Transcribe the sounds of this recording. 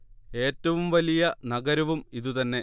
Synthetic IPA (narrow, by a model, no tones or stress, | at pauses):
e̞ːtːɐʋumʋɐlijɐnɐɡɐɾɐʋumiðut̪ɐnːe̞